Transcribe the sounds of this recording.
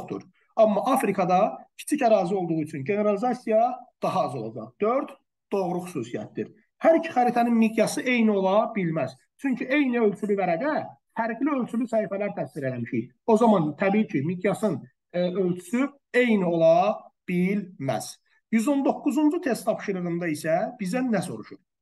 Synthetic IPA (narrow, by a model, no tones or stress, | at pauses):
χt̪ṵɾ | ɑmːɑʔɑfɾikʰɑd̪ɑcʰi̥t͡ʃʰicæɾɑːzio̞lˠd̪uʁuyt͡ʃʰynɟe̞ne̞ɾɑlizɑsijɑd̪̥ɑɦɑɑzo̞lˠɑ̰d͡ʒɑ̰χd̪̥øɾd̪̥ | d̪̥o̞ʁɾuxy̥suːsijæ̰t̪̚d̪ḭɾ | hæɾicʰi̥xæɾit̪ʰæninmid̪jɑsɯʔe̞jnio̞lˠɑbilmæz̥ | t͡ʃʰyɲcʰye̞jniø̞lt͡ʃʰylyvæɾæɡæ | fæɾɡliø̞lt͡ʃʰylysæhifælæɾt̪ʰæsiɾe̞læmiʃḭj | o̞zɑmɑnt̪ʰæbiːicʰimid̪jɑsɯn | ølt͡ʃʰy̥sy | e̞jnio̞lˠɑb̥ilmæ̰z̥ | jyzo̞nd̪o̞kːuzund͡ʒut̪ʰe̞st̪ʰːɑpʃiɾɯʁɯnd̪ɑisæb̥izd̪ænːæso̞ɾuʃuɾ